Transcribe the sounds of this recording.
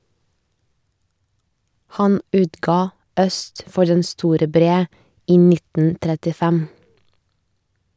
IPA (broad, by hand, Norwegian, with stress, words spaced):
ˈhɑn ˈʉːtɡɑː ˈœst ˈfɔɾ ˈdɛn ˈstuːɾə ˈbɾeː ˈiː ˈnɪtn̩ tɾɛtɪˈfɛm